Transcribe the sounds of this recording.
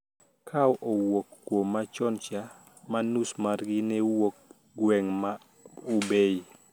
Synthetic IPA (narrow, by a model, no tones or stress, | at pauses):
kʰawʔowokːwomːat͡ʃɔnt͡ʃa | manusmarɡɪnɛwok̚ | ɡwɛŋma | ubej